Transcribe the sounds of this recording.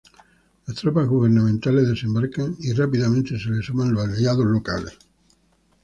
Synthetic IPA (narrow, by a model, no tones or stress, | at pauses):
last̪ɾopaɦɣuβeɾnãmẽnt̪alezðe̞sembaɾkaŋirapiðamẽnt̪e̞selesumãnlosaljaðozlo̞ka̰lḛs